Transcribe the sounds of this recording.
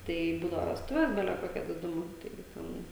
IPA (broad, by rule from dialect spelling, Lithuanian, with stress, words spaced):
ˈtɐɪ ˈbuːdɐʋɐ ʋʲɛsˈtʊʋʲɛs ˈbʲæːlʲɛ ˈkoːkʲɛ dʲɪˈdʊmʊ ˈtɐɪɡʲɪ ˈtʲɛn